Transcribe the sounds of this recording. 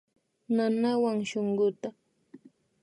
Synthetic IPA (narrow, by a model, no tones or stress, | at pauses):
nanawaŋʃoɴɢʊt̪a